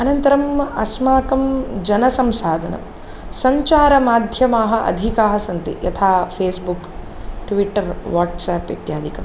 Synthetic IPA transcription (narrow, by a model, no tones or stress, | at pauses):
ɐnɐnt̪ɐɾɐmɐsmaːkɐmd͡ʒɐnɐsɐmsaːd̪ʱɐnɐ̰m | sɐɲt͡ʃaːɾɐmaːd̪ʱjɐmaːɦɐʔɐ̰d̪ʱikaːɦɐsɐnt̪ḭjɐ̰t̪ʰaːpʰeːsbuk | ʈʋiʈːɐɾʋaːʈsaːpʋḭt̪jaːd̪ʱikɐm